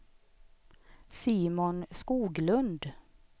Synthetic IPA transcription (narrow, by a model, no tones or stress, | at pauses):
siːmʊnskuːɡlɵnd̪